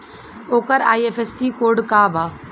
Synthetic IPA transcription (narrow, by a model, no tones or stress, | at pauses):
oːkəɾaːiefesiːkoːɾɖkaːbʱaː